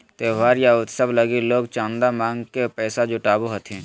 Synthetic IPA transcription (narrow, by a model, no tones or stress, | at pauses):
t̪eːʋaːɾjaʊt̪səblɐɡeloːɡt͡ʃãːnd̪amãːŋɡkepɛːsad͡ʒoːʈaːboɦɐt̪ʰɛ̃ː